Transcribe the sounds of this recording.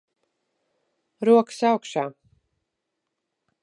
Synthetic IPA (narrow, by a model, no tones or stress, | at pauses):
ɾuɔkɨ̥sawkʃaː